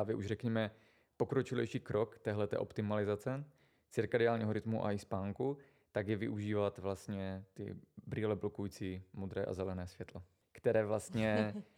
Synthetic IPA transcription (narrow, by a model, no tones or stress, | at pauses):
aːvjɛʔuʒrɛkɲɛmɛ | po̞kɾot͡ʃɪlɛ̰jʃiːkɾokt̪ɛːɦlɛt̪ɛ̰ːʔo̞pt̪ɪmalɪzat͡sɛ | t͡sɪɾkadɪaːlɲiːɦoɾɪt̪muʔa̰ɪspaːŋku | t̪aɡjɛvɪ̰ʔuʒiːvat̪vlast̪ɲɛt̪ɪ̰bɾiːlɛblo̞kujiːt͡simod̪ɾɛːʔa̰zɛlɛnɛːsvjɛt̪lɛ | kt̪ɛɾɛːvlast̪ɲɛ